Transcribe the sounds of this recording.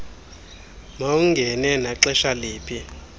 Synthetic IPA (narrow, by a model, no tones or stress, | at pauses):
mauŋɡʱɛnɛnaǁɛʃaleːpʼʰi